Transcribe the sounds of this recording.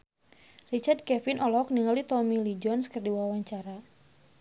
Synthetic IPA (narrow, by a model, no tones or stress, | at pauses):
rit͡ʃard̪̚kɛfinʔɔlɔk̚niŋalit̪ɔmilid͡ʒɔnskərdiwawaɲt͡ʃaɾa